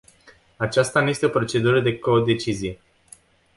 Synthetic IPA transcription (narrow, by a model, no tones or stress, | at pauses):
at͡ʃast̪anuje̞st̪eo̞pɾo̞t͡ʃe̞d̪uɾəd̪e̞ko̞d̪e̞t͡ʃizije̞